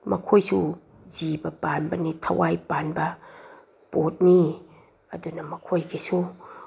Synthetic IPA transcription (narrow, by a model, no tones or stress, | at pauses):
mɐ̰kʰojsu | zibɐpanbɐnitʰɐwajpanbɐ | pot̚ni | ɐ̰dunɐmɐkʰojkʰesu